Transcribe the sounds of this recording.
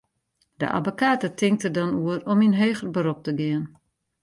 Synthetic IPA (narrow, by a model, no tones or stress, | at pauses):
də̰ʔa̰bokaːtətʰɪŋk̚tədɔnuərɔminɦøːɣərbəɾop̚təɡɪən